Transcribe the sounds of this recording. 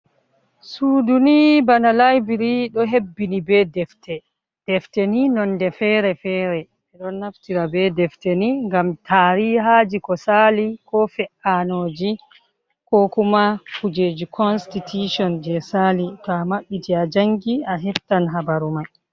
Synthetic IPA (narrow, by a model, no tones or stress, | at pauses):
suːdunibanalajbiɾiɗɔɦebːinibɛdɛftɛ | d̥ɛftɛninɔndɛfɛɾɛfɛɾɛ | ɛɗɔnːaftiɾabɛdɛfteniŋɡamtʰaːɾiɦaːd͡ʒikɔsalikɔfɛʔanoːd͡ʒi | kɔkumafud͡ʒed͡ʒikʰɔnstitʰuʃɔnd͡ʒɛsalitamaɓːitiad͡ʒaŋɡiaɦɛftanɦabaɾuma